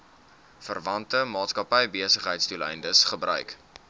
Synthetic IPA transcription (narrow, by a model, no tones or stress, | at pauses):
fərvɐntəmɑːtskɐpəjbiəsəχɦəjtstulɛ̰jndəsχəbrœ̰ɥk